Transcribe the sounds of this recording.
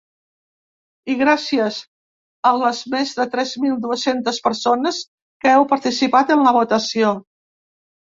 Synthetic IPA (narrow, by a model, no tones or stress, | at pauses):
iɣɾasiəz | ələzmezðət̪ɾɛzmilˠd̪uəsent̪əspəɾsonəs | kəɛwpəɾt̪isipat̪ənləβ̞ut̪əsio